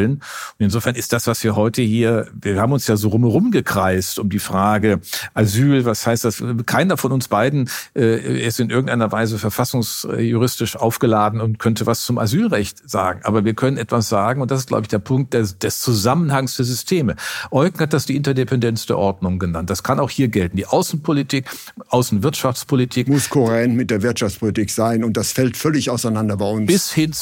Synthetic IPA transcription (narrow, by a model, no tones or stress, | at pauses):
lənʊʊntɪnzoːfɛɐnɪst̚d̥asv̥asv̥iːɐɦɔʏtəhiːɐviːɐhaːbm̩ʊnsjaːzoːʁʊmhɛʁʊmɡəkʁ̥aɪstʊmdiːfʁ̥aːɡəʔazyːlvashaɪst̚d̥askʰaɪnɐfɔnʊnsb̥aɪdn̩ʔɛːʔɪstɪnʔɪɐɡŋ̩taɪnɐvaɪzəfɛɐfasʊŋsjuʁɪstɪʃʔaʊfɡ̥əlaːdn̩ʊntkʰœntəvast͡sʊmʔa̰zyːlʁɛçtz̥a̰ːɡŋ̩ʔa̰ːbɐviːɐkʰœnənʔɛtv̥asz̥aːɡŋ̩ʊntd̥asɪstɡ̥la̰bɪçd̥eːɐpʰʊŋkt̚d̥ed̥ɛst͡suzamənhaŋsd̥eːɐzʏstʰeːməʔɔʏkŋ̩hat̚d̥asd̥iːʔɪntɐdepɛndɛnsd̥ɛ̰ɐʔɔɐdnʊŋɡənant̚d̥askʰanaʊxhiːɐɡɛltn̩diːʔaʊsn̩pʰolitʰiːk | ʔaʊsn̩vɪɐtʃaft͡spʰolitʰiːkmʊskʰoʁɛnmɪt̚d̥eːɐvɪɐtʃaft͡spʰolitiːkz̥aɪnʊnt̚d̥asfɛltfœlɪçaʊsaɪnandɐbaɪʊnb̥ɪshɪn